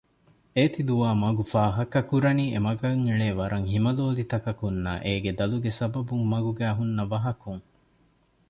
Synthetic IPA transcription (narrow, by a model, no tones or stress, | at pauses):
eːt̪id̪uʋaːmɐɡufaːɦɐkɐkuɾɐniːemɐɡɐŋiɭeːʋɐɾʔɐŋɦimɐloːlit̪ɐkɐkunːa̰ːʔeːɡed̪ɐluɡesɐbɐbuŋmɐɡuɡæːɦunːɐʋɐɦɐkuŋ